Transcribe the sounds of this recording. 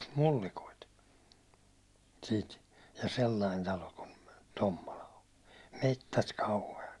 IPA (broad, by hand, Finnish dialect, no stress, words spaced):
mulːikoit siːt jɑ selːɑin tɑlo kun tomːolɑ on̞ metːæt kɑuheɑt